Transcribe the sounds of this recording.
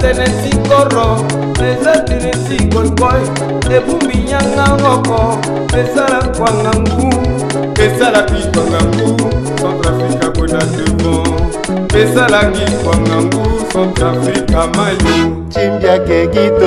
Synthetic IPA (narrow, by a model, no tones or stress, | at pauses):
tɛnɛsikɔɾɔ | ezatenesikɔikɔj | ebumbiɲaŋaɦɔkɔ | ezalakwaŋaŋɡu | ezalabikɔŋaŋɡu | sãntɾafɾikakenatemɔ | ezalaɡikwaŋaŋɡusãntɾafɾikamajo | t͡ʃimbjakeɡit